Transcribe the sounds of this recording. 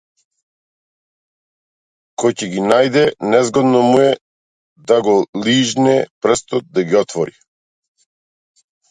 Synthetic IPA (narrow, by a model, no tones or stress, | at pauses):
kɔjcɛɡinajd̪ɛnɛzɡɔd̪nɔmuɛ | d̪aɡɔliʒnɛpr̩st̪ɔt̪̚d̪aɡiɔt̪vɔɾi